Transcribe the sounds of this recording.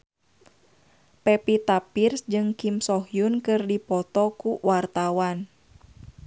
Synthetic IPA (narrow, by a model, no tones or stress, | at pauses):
pɛpit̪apirsd͡ʒɨŋkimsɔhjunkɨrdipɔt̪ɔkuwart̪awan